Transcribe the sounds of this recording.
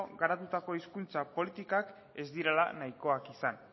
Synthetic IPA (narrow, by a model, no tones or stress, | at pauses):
ɣaɾat̪ut̪ako̞iskunt͡sapo̞lit̪ikak | e̞zd̪iɾela̰najko̞akisan